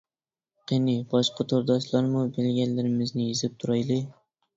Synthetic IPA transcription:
qenɪbɒʃqɑt̪ʰoɾd̪ɒʃlˠaɾmʊbelɡʲanlaɾɪmɪznɪjezɪp̚t̪ʰʊɾajlɪ

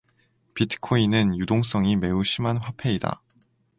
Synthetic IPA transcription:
pitʰɯ̥kʰoinɯnjudoŋs͈ʌŋime̞uɕʰimanɸwapʰe̞ida̰

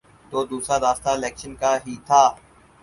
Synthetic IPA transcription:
t̪oːd̪uːsɾaɾaːst̪aɪlɛːkʃənkaːɦiːt̪ʰaː

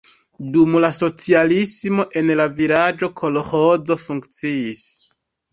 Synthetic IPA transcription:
dumlaso̞t͡sialismo̞ʔe̞nlavilad͡ʒo̞kʰo̞loho̞zo̞fuŋkt͡siis

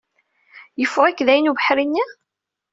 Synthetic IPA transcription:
jəfːʊʁækːðæjnuvəħɾinːi

